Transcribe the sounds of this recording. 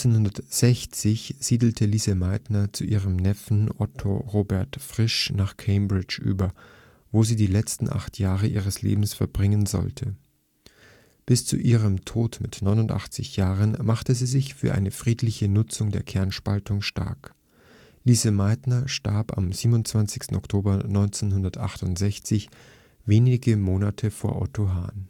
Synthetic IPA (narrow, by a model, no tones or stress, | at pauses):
t͡senhʊndɐtz̥ɛçt͡sɪçz̥iːdl̩tʰəliːzəmaɪtnɐt͡suʔiːʁəmnɛfn̩ʔɔtʰo̰ʁoːbɛɐtfʁ̥ɪʃnaːχkʰeɪmbʁɪt͡ʃʔy̰ːbɐ | voːziːdiːlɛt͡stn̩ʔa̰χtʰjaːʁəʔiːʁ̞əslḛːbm̩sfɛɐbʁɪŋənzɔ̰ltʰə | b̥ɪst͡sṵʔiːʁ̞əmtʰoːtmɪtnɔʏnʊntʔa̰χt͡sɪçjaːʁənmaχtəziːzɪçfyːɐʔa̰ɪnəfʁ̥iːtlɪçənʊt͡sʊŋdeːɐkʰɛɐnʃpaltʊŋʃta̰ɐk | liːzəmaɪtnɐʃta̰ɐpa̰mziːbnʊntt͡sv̥ant͡sɪçstn̩ɔktʰoːbɐnɔʏnt͡seːnhʊndɐtʔa̰χtʊntz̥ɛçt͡sɪç | veːnɪɡəmoːnatʰəfoːɐʔɔ̰tʰoɦa̰ːn